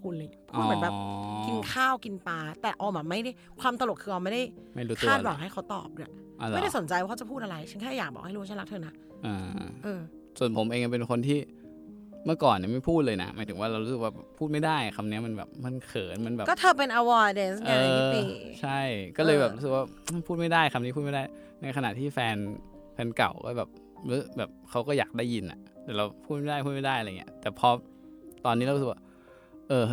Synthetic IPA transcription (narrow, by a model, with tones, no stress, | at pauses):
kʰu˧nliː˧˩pʰu˥˩t̚m̚˩˦bɛː˨˩pki˧nkʰaː˥˩wki˧npaː˧t̪ɛː˨˩ʔɔː˧baː˨˩ma˥˩jda˥˩jkʰwaː˧mt̪a˧lo˨˩t̪̚kʰɯ˧ʔaː˧ma˥˩jda˥˩jma˥˩ju˦˥˩aː˥˩wa˨˦ŋɦa˥˩jkʰa˦wt̪ɔ̰ː˨˩p̚du˨˩ɐʔa˧mljɾa˥˩so˩˦nt͡ɕa˧jwaː˥˩˧wt͡ɕa˨˩pʰuː˥˩t̪ʔa˧ɾa˧jt͡ɕʰe˦˥˩ŋkʰɛː˥˩jaː˨˩k̚bɔ̰˨˩k̚ha˥˩˨u˦˥˧a˥˨la˦˥t̪ʰːna˦˥ | ʔɤː˧˩ʔɤː˧ | su˨˩ənpʰo˩˦mʔeː˧ŋʔa˧˩pe˧nkʰo˧nt̪ʰiː˥˩ | mɯ˥˩ɐkɔː˨˩nːi˨˩ma˥˩jpʰuː˥˩t̪̚lɤː˧jna̰˦˥maː˨˦jt̪ɯ˩˦waː˥˩a˧wɾu˦˥sɯ˨˩k̚waː˥˩bɛ̰ː˨˩pʰːuː˥˩t̪ma˥˩jda˥˩jkʰa˧mni˦˥ɐma˧nbɛ̰ː˨˩p̚ma˧˥˧nkʰɤː˩˦nma˧nbɛː˨˩kɔː˥˩t̪ʰɤː˧pe˧nʔa˧wɔ˧de˧˩sɤː˧t͡ɕʰa˥˩jkɔː˥˩lɤː˧jbɛː˨˩ɾu˦˥sk̚waː˥˩˥pʰuː˥˩t̪ma˥˩jdaː˥˩jkʰa˧mni˦˥pʰu˥˩t̪̚ma˥˩daː˥˩j | na˧jkʰa˧na̰˨˩ʔt̪ʰiː˥˩fɛː˧n | fɛː˧nka̰˨˩wkɔ̰ː˥˩bɛː˨˩p̚ | lɯ˦˥bɛː˨˩p̚kʰa˦˥wkɔː˥˩jaː˨˩k̚daː˥˩ji˧nʔa̰˨˩t̪ɛː˨˩ɾa˧wpʰuː˥˩t̪m˥m˥˩jdaː˥˩jʰpʰu˥˩t̪ma˥˩daː˥˩jaː˧˨ŋ˩˦ɐt̪ɛː˨˩pʰɔ˦˥ | t̪ɔː˧nːi˦˥ɾa˧˦˥skwa˥˩ | ʔɤː˧